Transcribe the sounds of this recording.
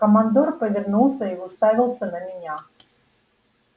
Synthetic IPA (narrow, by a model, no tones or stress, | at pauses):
kəmand̪orpəvʲɪrnulˠsʲəiʊst̪avʲɪlˠsʲənəmʲɪnʲa